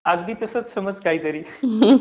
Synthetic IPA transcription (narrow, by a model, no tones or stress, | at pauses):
aɡd̪iːt̪əsət͡ssəməd͡zkaiːt̪əɾiː